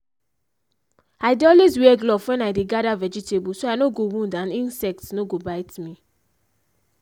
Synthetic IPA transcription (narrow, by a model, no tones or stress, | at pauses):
aɪdeɔlwezwɛɡlɔfwɛ̃najdeɡadavɛd͡ʒitebusoajnoɡowũndãnĩnsɛk̚tnoɡobaɪtmĩ